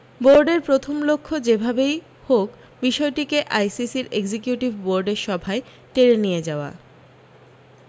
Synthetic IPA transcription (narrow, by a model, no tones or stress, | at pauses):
boɾɖeɾpɾot̪ʰomlokʰːod͡ʑebʱabej | hok | biʃɔeʈikeʔajsisiɾeɡd͡ʑekjuʈibboɾɖeɾʃɔbʱae | t̪eɾenijed͡ʑaoa̰